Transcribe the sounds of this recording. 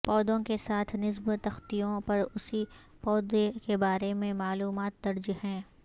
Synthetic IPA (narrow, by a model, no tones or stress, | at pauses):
pɔːd̪õkesaːt̪ʰnɪzbt̪ɐxt̪ijõpɐɾʊsi | pɔːd̪kebaːɾemẽmaːluːmaːt̪̚d̪ɐɾd͡ʒɦɛ̃ː